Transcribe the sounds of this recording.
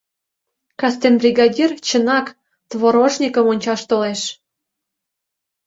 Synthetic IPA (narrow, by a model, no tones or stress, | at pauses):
kɑst̪enbrʲiɡɑdʲirt͡ɕə̆nɑk | t̪βoɾoʃnʲikəmonʲt͡ɕɑʃt̪oleʃ